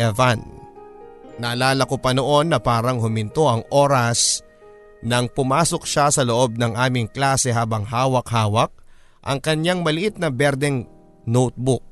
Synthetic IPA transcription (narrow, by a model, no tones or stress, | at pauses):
ɛvan | ɐʔɐlaːlɐkopɐno̞ʔo̞nːɐpaːɾɐŋhʊmɪnt̪o̞ʔɐŋʔo̞ːɾɐs | nɐŋpʊmaːso̞k̚ʃasɐloʔo̞b̚nɐŋʔaːmɪŋklaːsɛɦaːbɐŋɦaːwɐkhaːwɐk̚ | ʔɐ̰ŋkɐɲjaŋmɐlɪʔit̪̚nɐbɛɾd̪ɛŋ | nowt̪̚bʊk̚